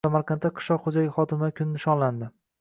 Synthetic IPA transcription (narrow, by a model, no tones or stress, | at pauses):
samaɾqʰɑnt̪ːaqʰɨ̥ʃlɒqχod͡ʒajʲɪχɒd̪ɪmakʲʰʊnɪnɪʃɒnland̪ɪ